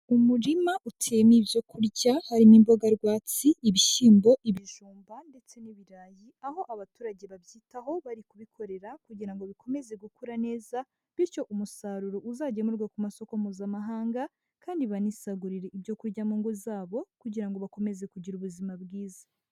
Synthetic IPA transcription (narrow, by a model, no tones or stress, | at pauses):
umuɾimaʔutʰeːmibjo̞kuɾɟahaɾimimbo̞ɡaɾɡwaːt͡siiβiʃiːmbo̞ʔiβiʒuːmbande̞t͡se̞niβiɾaːjiaho̞ʔaβatuːɾaɟe̞βaβjiːtaho̞βaɾikuβikʰo̞ɾe̞ɾakuɟiɾaŋɡo̞βiko̞me̞ze̞ɡukuɾane̞ːza | βiɾco̞ʔumusaɾuɾoʔuzaɟe̞muɾɡwakumaso̞ko̞muːzamaɦaːŋɡa | kaːndiβanisaɡuɾiɾe̞ibjo̞kuɾɟamuːŋɡuzaːβo̞kuɟiɾaŋɡo̞βako̞me̞ze̞kuɟiɾuβuzimabɡiːza